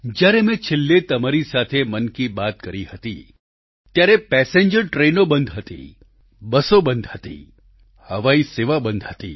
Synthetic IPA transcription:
d͡ʒjaːɾemɛ̃t͡ʃʰɪlːet̪ɐmaːɾisaːt̪ʰemɐnkibaːt̪̚kɐɾihɐt̪ḭ | t̪jaːɾepɛːsẽɲd͡ʒəɾʈɾeːnobə̃nd̪ʱɦət̪ḭ | bəsobə̃nd̪ʱhət̪ḭː | hɐʋaːiseːʋabə̃nd̪ʱɦət̪ḭː

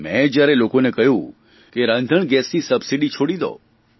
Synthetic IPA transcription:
mɛ̃d͡ʒjaɾelokonekəɦjũ | keɾãnd̪ʱəɳɡɛsnisəbsiɖit͡ʃʰoɽid̪o̰

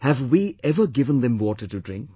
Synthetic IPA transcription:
hævwiɛvəɡɪvə̃nd̪ɛ̃mwɔːʈəʈudɾɪ̃ŋk̚

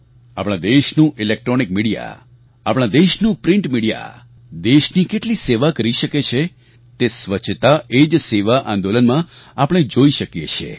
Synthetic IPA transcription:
a̰pɽ̃ãd̪eʃnũʔilek̚ʈɾonik̚miɽija̰ | apɽ̃ãd̪eʃnũpɾɪ̃ɳʈmiɽija̰ | d̪eʃnikeʈliseʋakəɾiʃəket͡ʃʰe | t̪esʋət͡ʃʰt̪aed͡ʒseʋaʔãnd̪olənmã | apəɽ̃ed͡ʒoiʃəkjet͡ʃʰḛ

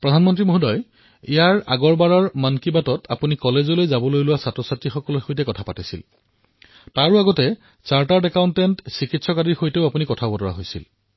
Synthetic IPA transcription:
pɹɔdʱanmɔntɹimoɦudɔj | ijaɹa̰ɡɔɹbaɹɔɹmankibatɔtʰa̰punikɔlezolojzabɔlojlʊwasatɹɔsatɹixɔkɔlojxojtɛkɔtʰapatisḭl | taɹuaɡɔtɛ | t͡ʃaɹtadɛkawntɛntsikitsɔkadiɹxojteʊapunikɔtʰabɔtɔɹa̰ɦojsḭl

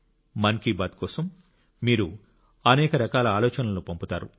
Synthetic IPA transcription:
mɐnkibaːt̪̚kɔːsɐmː | iːɾu | ɐnɛːkɐɾɐkaːlɐaːlɔːt͡ʃɐnɐlupɐmput̪aːɾṵ

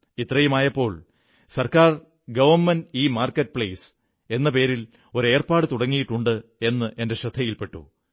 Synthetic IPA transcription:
it̪ːrɐjɐmaːjɐpːo̞ːɭ | sɐrkaːr | ɡɐʋɐnmɐniːmaːrkːɐʈːɨpɭejs | e̞nːɐpe̞ːɾil | o̞ɾe̞ːrpaːɽɨt̪uɽɐŋːijiʈːuɳɖɨe̞nːɨʔe̞nde̞ɕɐd̪ʱɐjilpe̞ʈːṵ

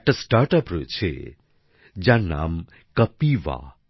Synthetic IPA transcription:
ʈəsʈaɾʈapɾo̰jt͡ʃʰḛ | d͡ʒãna̰m | kɐpiʋa̰

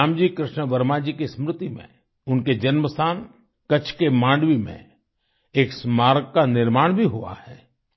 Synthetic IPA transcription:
aːmd͡ʒiːkɾɪʃnəʋəɾmaːd͡ʒikesmɾɪt̪imḛ̃ | ʊnked͡ʒɐnməst̪ʰaːn | kɐt͡ʃʰkemãːɳɖʋimḛ̃ | eːksmaːɾɡkanɪɾmaːɽ̃bʱiɦua̰hɛː

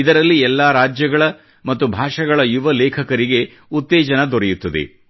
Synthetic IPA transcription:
id̪ɐɾɐlːiɛlːaːɾaːd͡ʒjɐɡɐɭɐ | mɐt̪ːubʱaːʂɐɡɐɭɐjuʋɐlɛːkʰɐkɐɾiɡe̞ | ut̪ːɛːd͡ʒɐnɐd̪ɔɾejut̪ːɐd̪ḛ

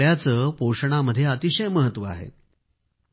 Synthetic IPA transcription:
jat͡səːpoʂɳ̃aməd̪ʱːjeət̪iɕəjməɦət̪ːʋəa̰ɦḛ

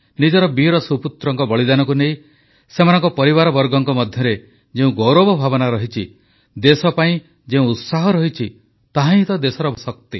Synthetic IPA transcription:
nid͡ʒɔɾɔbiɾɔsuput̪ɾɔŋkɔbɔɭid̪anɔkunej | semanɔ̃ŋkɔpɔɾiβaɾɔbɔɾɡɔŋkɔmɔd̪ʱjɔɾe | d͡ʒeũɡɔwɾɔbɔbʱabɔnaɾɔɦit͡ʃʰi | d̪esɔpaĩ | d͡ʒeũut̪saɦɔɾɔɦit͡ʃʰi | t̪aɦãĩt̪ɔd̪esɔɾɔsɔk̚t̪i

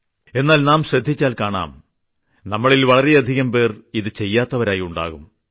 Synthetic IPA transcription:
e̞nːaːlnaːmɕrɐd̪ʱːit͡ɕːaːlkaːɳa̰ːm | nɐmːɐɭilʋɐɭɐɾeɐd̪ʱiɣɐmpe̞ːriðɨt͡ɕe̞jːaːt̪ːɐʋɐɾaːjiuɳɖa̰ːɣum

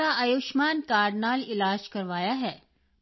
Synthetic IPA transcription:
aɐjuʃmaːnkaːɾɖnaːlɪlaːd͡ʒkɐɾʋaːjaɦɛː

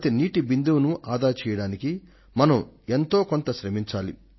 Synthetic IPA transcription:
t̪eniːʈibind̪uʋnuʔaːd̪aːɾt͡ʃɛːjɐɽaːniki | mɐnɐme̞nt̪o̞ːko̞nt̪ɐʃɾemiɲt͡ʃaːli

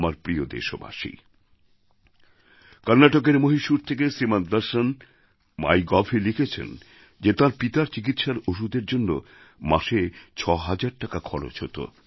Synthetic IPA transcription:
maɾpɾiod̪ḛʃoba̰ʃḭ | kʌɾnːaʈok̬eɾmoɦiʃuɾt̪ʰekesɾimand̪aɾʃan | ma̰jɡɔfʰilikʰet͡ɕʰḛn | d͡ʑet̪aɾpit̪aɾt͡ɕik̬it̪ʃaɾoʃ̬ud̪eɾd͡ʑonːo | ma̰ʃet͡ɕʰɔɦad͡ʑaɾ̚ʈakakʰɔɽo̰t͡ɕhot̪o̰

